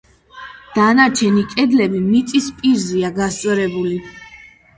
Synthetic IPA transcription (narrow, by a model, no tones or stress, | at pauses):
d̪̥anaɾt͡ʃʰɛnikʼɛd̪lɛbimit̪sʼispʼiɾziaɡast̪sʼɾɛbuli